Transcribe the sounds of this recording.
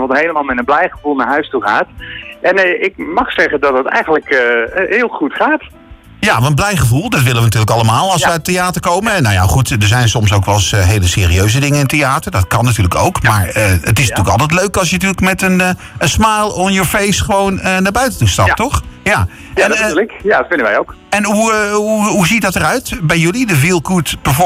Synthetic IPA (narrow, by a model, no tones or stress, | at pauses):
ʋɔtɦejləmaːlˠmɛtənblɛjχəvulˠnaɹɦœɥstuχaːtʔɛnɪk̚mɑχsɛχəndɑtətɛ̰jχənləkhɪːlˠχutχaːt | jaʋnblɛjχəvulˠdɑtʋɪləʋənatyːɹləkɑlˠəmaːlˠɑlˠsʋəatejaːtəɹkowmənnawja̰χutdəɹzɛjnsɔmsowkʋɛlˠsɦejləsɪ̰ːriøɥzədɪŋənɪntejaːtəɹdɑtkɑnːatyːɹləko̰wkmaːɹəətɪsntyːləkɑlˠtɛtløɥkɑlˠsjənatyːləkmɛtən | ənsmajlˠɔnjəɹfejstχəʋownənaːɹbœɥtətustɑp̚tɔχja | ɛnkjatfɪndəʋɛjok | ɛnɦuuɦuzitdɑtərœɥtbɛjjɵlidəvilˠkutb̥əvɔ